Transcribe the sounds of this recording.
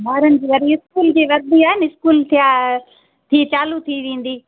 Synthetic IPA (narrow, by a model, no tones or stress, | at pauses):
bʱaːɾənɪ̆d͡ʑiːʋɐɾiɪskuːld͡ʑiːʋɐɾd̪ʱiaːɦɪnɪɪskuːlt̪ʰija | t̪ʰiːt͡ɕaːlut̪ʰiʋẽːn̆d̪iː